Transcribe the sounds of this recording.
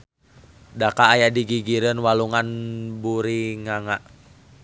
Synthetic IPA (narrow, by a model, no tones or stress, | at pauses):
dakaːjadiɡiɡiɾənwaluŋanbuɾiŋaŋaʔ